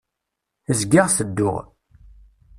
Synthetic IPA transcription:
əzɡaʁsəd̪ːʊ̰ʁ

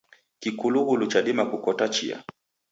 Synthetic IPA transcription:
kikuluɣulut͡ʃaɗimakukɔtat͡ʃḭa̰

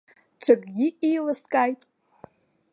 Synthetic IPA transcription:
ʈ͡ʂʰakʼɡʲiijlɨskʼajtʼ

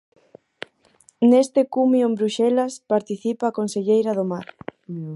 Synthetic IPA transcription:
nest̪ekumjoembɾuʃɛlaspaɾt̪iθipaːkonseʎejɾɐðomaɾ

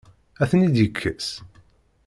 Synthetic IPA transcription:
æθnid̪jəkʰːəs

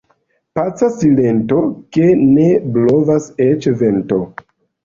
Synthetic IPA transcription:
pat͡sasile̞nto̞ke̞ne̞blo̞vaset͡ʃve̞nto

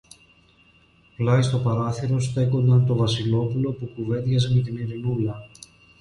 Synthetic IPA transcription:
plɐist̪o̞pɐɾɐθiɾo̞st̪e̞ko̞nd̪ɐnt̪o̞vɐsilo̞pulo̞pukuve̞d̪ʝɐzmet̪iniɾinulɐ

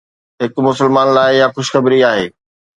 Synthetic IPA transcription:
ɦɪkmʊsəlmaːnlaːɪjãxʊʃxɐbɾiaːɦeː

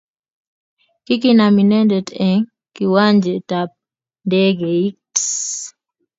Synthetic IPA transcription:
kik̬inaminɛndɛdɛŋ | kiwaɲd͡ʒɛtap̚ | ndɛɡɛiks

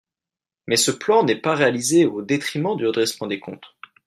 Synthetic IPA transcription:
mɛsəplɑ̃nɛpaʁealizeod̪et̪χimɑ̃d̪yʁəd̪ʁɛsmɑ̃d̪ekɔ̰̃t̪

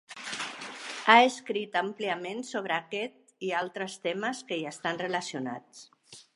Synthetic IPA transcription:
aəskɾit̪əmpliamensoβ̞ɾəːkɛt̪̚ialˠt̪ɾəst̪ɛməskəiəst̪anrələsiuna̰t͡s

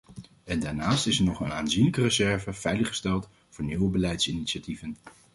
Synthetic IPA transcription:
ɛndaːɹnaːstɪsɛɹnɔχənaːnzinləkərəzɛɹvəv̥ɛjləχə̥stɛlˠt | vʊːɹniwəbəlɛjtsiniʃativən

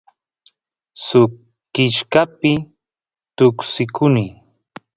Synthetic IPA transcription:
sʊ | kɪʃkapɪ | t̪ʊksɪkʰʊniː

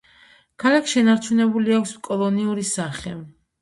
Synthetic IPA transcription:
kʰalakʰʃɛnaɾt͡ʃʰunɛbuliakʷʰskʼɔlˠɔniuɾisaχɛ

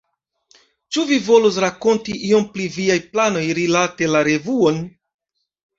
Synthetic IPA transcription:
t͡ʃuvivo̞lus̬ɾako̞ntiʔio̞mpliviajplano̞jɾilate̞laɾe̞vuo̞n

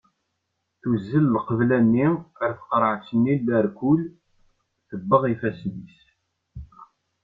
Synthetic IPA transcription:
θuzːəllqəvlænːiəɾθə̥qɾˤəʕt͡sːənːilːəɾkʊl | θəbːəʁifæsnis

